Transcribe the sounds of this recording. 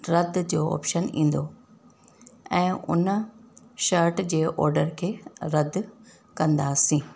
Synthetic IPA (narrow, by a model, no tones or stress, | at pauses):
ɾɐd̪ʱd͡ʑoːɔ̰ːpʃənĩːn̆d̪o | ɛ̃ːʔʊ̰n | ʃɐɾʈd͡ʑeːʔɔ̰ːɾɖəɾkʰeːɾɐd̪ʱ | kɐ̃nd̪aːsĩː